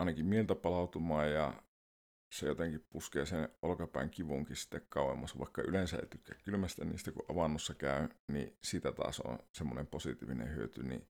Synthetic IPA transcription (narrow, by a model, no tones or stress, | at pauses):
ɑˑenɑkimmielt̪æpɑlɑˑut̪umɑːjjɑ̰ | sejot̪eŋkippuskḛːsenolokɑpæ̰ˑeŋkiʋuŋkissi̥t̪ːekkɑˑuwˑemːɑsʋɑ̰ˑekːɑylensæḛit̪ykːækkylmæst̪æniːst̪ækuʔʔɑʋɑnːosːɑkæˑønḭsiːt̪æt̪ɑ̰ːsõ̰nsemːonemposit̪iːʋinḛhyøt̪ynḭ